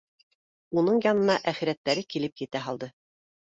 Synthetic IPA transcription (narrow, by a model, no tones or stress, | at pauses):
unɤɴjɑnɤ̆nɑʔæχɘ̆ɾæt̪ːæɾɘkilɘp̚jɘ̆t̪æɦɑlˠd̪ɤ